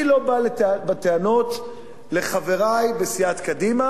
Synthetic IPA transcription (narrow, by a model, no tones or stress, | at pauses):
ilo̞balebat̪eano̞t̪ | le̞χaveʁajbesiat̪kad̪ima